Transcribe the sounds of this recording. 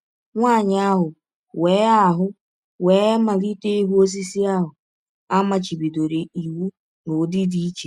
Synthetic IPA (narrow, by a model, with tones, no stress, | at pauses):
ŋʷaː˦˨ɲɪ˦a˦ɦʊ˨ | weː˨˦a˨ɦʊ˦ | weː˨˦ma˨li˦te˦i˦ɦu˦o˦z̬i˦si˦a˦ɦʊ˨ | a˦ma˨t͡ʃi˨bi˨do˨ɾe˨i˨wu˦ | no˨˦dɪ˦di˦i˦t͡ʃe˨